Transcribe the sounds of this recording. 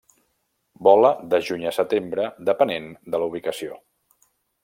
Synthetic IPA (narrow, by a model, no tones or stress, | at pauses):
bɔləðəʒuɲəsət̪embɾəd̪əpənend̪əluβ̞ikəsio